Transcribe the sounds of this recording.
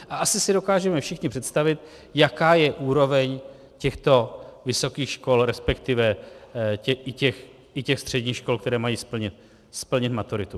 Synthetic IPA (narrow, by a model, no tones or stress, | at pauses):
ʔaʔasɪsɪdo̞kaːʒɛmɛfʃɪxɲɪpr̥ɛt̪st̪avɪt̪ | jakaːjɛʔuːɾo̞vɛɲ | cɛxt̪o̞vɪso̞kiːxʃko̞lɾɛspɛkt̪ɪvɛ | ɛʔɪcɛx | ɪcɛxst̪r̝̥ɛdɲiːxʃko̞lkt̪ɛɾɛːmajiːspl̩ɲɪt̪ | spl̩ɲɪt̪mat̪uɾɪt̪u